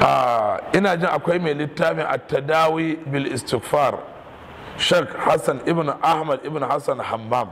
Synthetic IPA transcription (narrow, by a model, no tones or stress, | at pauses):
ʔaːʔɪnaːd͡ʒɪŋʔakʷajmelɪtːaːmɪʔa̰tːɐdaːwiːbɪlʔɪstɪkfar | ʃɛːkhasɐnʔɪbniʔahmɐdʔɪbnihasɐnhamːam